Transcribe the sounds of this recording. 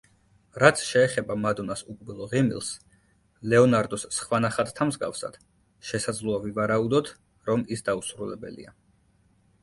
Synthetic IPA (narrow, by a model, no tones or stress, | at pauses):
ɾat̪sʰʃɛːχɛbamad̪ɔnasukʼbilˠɔʁimḭlˠs | lɛɔnaɾd̪ɔsːχwanaχat̪ʰt̪ʰamzɡa̰fsa̰d̪̥ | ʃɛsad̪zlˠuavivaɾaud̪ɔt̪ʰ | ɾɔmisd̪ausɾulɛbɛ̰lḭa